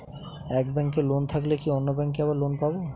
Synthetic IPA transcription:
ɛk̚bɛŋkelont̪ʰaklekionːobɛŋkeaβaɾlonpabo

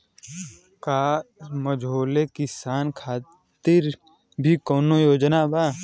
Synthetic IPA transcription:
kaːməd͡ʒoːlekɪsaːnkʰaː | t̪ɪɾ | bʱikoːnojoːd͡ʒnabaː

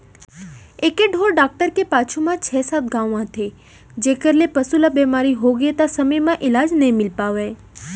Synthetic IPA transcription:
ekeɖʱoɾɖak̚ʈəɾkepat͡ʃʰumãt͡ʃʰɛsat̪̚ɡãʋãt̪ʰe | d͡ʒekəɾlepəsulabɛmaɾiɦoɡet̪asəməjmãʔɪlad͡ʒnəɦĩmɪlpaʋe

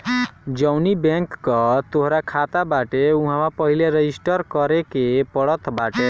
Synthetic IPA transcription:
d͡ʒəwnibẽŋkːɔt̪oɦɾakʰat̪abaʈeuɦãmapəɦileɾeisʈəɾkəɾekepəɽət̪ʰbaʈe

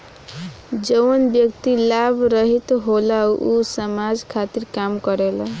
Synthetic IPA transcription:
d͡ʒəwnbjʌk̚t̪ilabʱɾʌɦit̪ɦolausəmad͡ʒkʰat̪iɾkamkʌɾelə

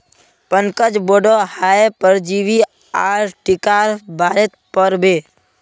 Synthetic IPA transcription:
pənkəd͡ʒboːɖɔhaepəɾd͡ʒiʋi | aːɾʈɪkaːɾbʱaːɾet̪̚pəɾbeː

